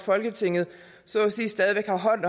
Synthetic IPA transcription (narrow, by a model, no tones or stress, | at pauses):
fɒ̽lɡ̥ət͡sʰe̝ŋ̰ð̩ˠ | sɒ̽siːsd̥ɛðˠiʋeɡ̥hɑ̈ɦɒ̽n̰ɒ